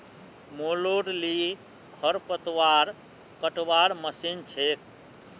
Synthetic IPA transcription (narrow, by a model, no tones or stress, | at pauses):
moloɽli | kʰəɾpət̪ʋaɾ | kəʈʋaɾməsint͡ʃʰek